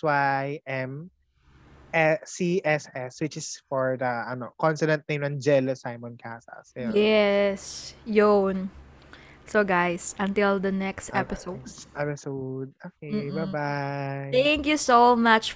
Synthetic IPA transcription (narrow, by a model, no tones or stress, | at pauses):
swajʔɛm | ʔɛsiʔɛsɛswɪt͡ʃɪsfɔɹd̪ɐʔɐnokɔ̃nsɪd̪ɛ̃nt̪̚nejmɐ̃nd͡ʒɛlɐsajmɔ̃nkʰasɐ̰sɛjjɛsjunː | oɡajsɐ̃nt̪ɪld̪ɐnɛkst̪ɛpɪsod̪ɛpɪsod̪̚okebabajt̪æ̃ŋkjusomat͡ʃ